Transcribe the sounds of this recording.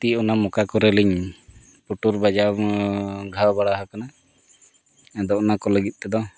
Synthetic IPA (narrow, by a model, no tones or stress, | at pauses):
t̪iɔnamɔkakɔɾɛliɲ | puʈuɾbad͡ʒa | ɡʱawbaɽaɦakana | d̪ɔɔnakɔləɡit̪̚ˀt̪ɛd̪ɔ